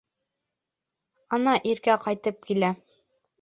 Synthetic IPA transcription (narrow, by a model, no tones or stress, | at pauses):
ɒnɑʔiɾkæqɑjt̪ɤp̚kilæ